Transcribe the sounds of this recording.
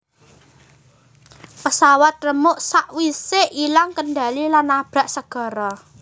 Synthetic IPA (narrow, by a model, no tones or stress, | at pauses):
pəsawat̪̚rəmʊʔsaʔwiseʔilaŋkənɖa̤lilanːab̥a̤ʔsəɡ̥ɔ̤ɾɔ